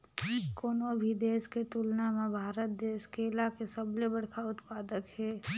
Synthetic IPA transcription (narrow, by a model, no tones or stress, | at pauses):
koːnobʱid̪eːsket̪ulnamẽbʱaːɾət̪̚d̪eːskelakesəblebəɽkʰaʊt̪paːd̪əkɦɛː